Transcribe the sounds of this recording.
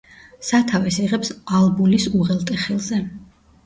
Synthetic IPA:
sat̪ʰavɛsiʁɛpsalˠbulisuʁɛlˠt̪ʼɛχɛlˠzɛ

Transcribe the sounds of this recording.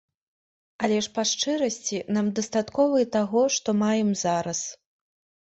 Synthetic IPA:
ɐlʲɛʂpaʂt͡ʂɨɾɐsʲt͡sʲinamd̪ɐst̪at̪kɔvɨjɛt̪aɣɔʂt̪ɔmajɛmzaɾɐs

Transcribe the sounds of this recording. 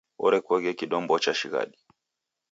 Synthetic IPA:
ɔ̰ɾɛkɔɣɛkiɗɔmbɔt͡ʃaʃiɣa̰ɗi

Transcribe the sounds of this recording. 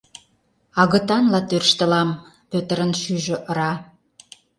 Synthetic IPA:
ɑɣə̆t̪ɑnlɑt̪ørʃt̪ə̆lɑm | pøt̪əɾənʃyʒø̆ʔəɾɑ

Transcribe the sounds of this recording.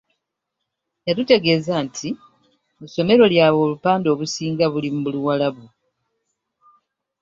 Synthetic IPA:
jatute̞ɡe̞ːzaːntʰi | muso̞me̞ɾo̞ljaːβo̞ːlupaːndo̞ːβusiːŋɡaβulimumuluwalaβu

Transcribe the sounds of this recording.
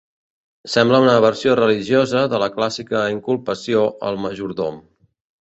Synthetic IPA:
sɛmbləunəβəɾsiorəliʒjozəðələklasikəiŋkulˠpəsioʔə̰lˠməʒuɾðo̰m

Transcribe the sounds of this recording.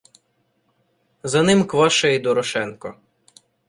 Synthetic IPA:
zɐnɪmkʋɔʃɐid̪ɔɾɔʃɛnkɔ

